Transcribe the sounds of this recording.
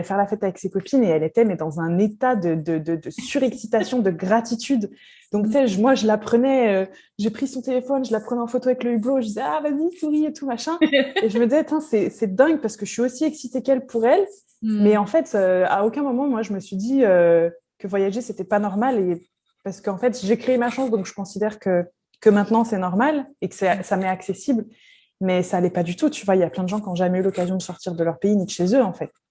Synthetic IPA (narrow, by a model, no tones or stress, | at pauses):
fɛʁlafɛt̪avɛksekɔpineɛlet̪ɛmɛd̪ɑ̃zɛ̃net̪ad̪əd̪əd̪əd̪əsyʁeksit̪asjɔ̃d̪əɡʁat̪it̪yd̪ | d̪ɔ̃kt̪ɛʒəmwaʒəlapχənɛø | ʒepχisɔ̃t̪elefɔnʒəlapχənɛɑ̃fot̪oavɛkləybloʒəd̪izɛavazisuʁiet̪umaʃɛ̃eʒəməd̪izɛt̪jɛ̃sɛsɛd̪ɛ̃ɡpaʁsə̥kəə̥ʃiosiɛksit̪ekɛlpʰuʁɛl | mɛɑ̃fɛt̪øa̰okʲɛ̃mɔmɑ̃mwaʒəməsɥid̪iø | kəvwajaʒeset̪ɛpanɔʁmale | paʁsə̥kəɑ̃fɛt̪ʒekχeemaʃɑ̃sd̪ɔ̃kʒə̥kɔ̃sid̪ɛʁkə | kəmɛ̃t̪nɑ̃sɛnɔʁmalekə̥sɛsamɛaksesibl | mɛsaːlɛpad̪yt̪ut̪yvwailjaplɛ̃d̪əʒɑ̃kʲiɔ̃ʒamɛylɔkazjɔ̃d̪əsɔʁt̪iʁd̪əlœʁpeinid̪əʃezøɑ̃fɛt̪